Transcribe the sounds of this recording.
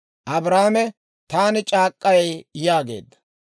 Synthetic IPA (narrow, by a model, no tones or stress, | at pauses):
ʔɐbɾaːmɛ | t̪aːnɪt͡ʃʼaːkʼːɐjɛjjaːɡe̞̰ːd̪ːɐ̥